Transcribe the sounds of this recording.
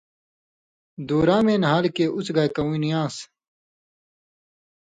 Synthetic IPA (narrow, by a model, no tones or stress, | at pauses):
d̪uːɾãːmẽːnɦaːlkeʔut͡sɡajkɐũinijãːs